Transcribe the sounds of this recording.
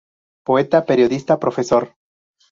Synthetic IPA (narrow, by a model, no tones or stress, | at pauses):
poet̪ape̞ɾjoðist̪apɾo̞fesoɾ